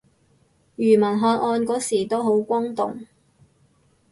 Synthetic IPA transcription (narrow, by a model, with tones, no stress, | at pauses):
jyː˨˩mɐ˨˩nɦɔː˧n̚ʔɔː˧nkɔː˨˥siː˨˩t̪o˥wɦo˨˥wkʷɔ˥ŋt̪ʊ̰˨ŋ